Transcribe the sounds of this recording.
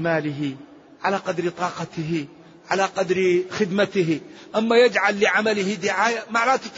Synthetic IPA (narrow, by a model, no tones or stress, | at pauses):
maːlɪɦɪ | ʕalaqɑd̪ɾt̪ˤɑːqɑt̪ɪɦɪ | ʕalaqɑd̪ɾxɪd̪mat̪ɪɦɪʔamːajad͡ʒʕalːɪʕamalɪhɪd̪ɪʕaːjamaʕɾɑːt̪ɪt̪